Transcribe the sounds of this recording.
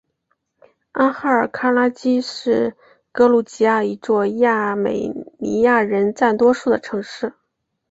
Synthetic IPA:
a˥nxa˥˩ə˞˨˩kʰa˥la˥t͡ɕi˥ʂɻ̩˥˩ | kɤ˥lu˥˩t͡ɕi˧˥ja˥˩i˧˥t͡swɔ˥˧ja˥˩mḛ˨˩ɪnḭ˧˥ja˥˩ɻə˧˥nt͡sa˥˩nt̪wɔ˥ʂu˥˩d̪ə˩ʈ͡ʂʰɤ˧˥ŋʂɻ̩˥˩

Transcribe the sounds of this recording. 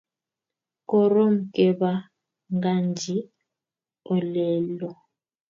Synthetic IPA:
kɔ˦ɾɔ˦m̩˨kʼɛ˦ba˦ | ŋɡa˦nd͡ʒi˦ | ɔ˨lɛː˦lɔ˨

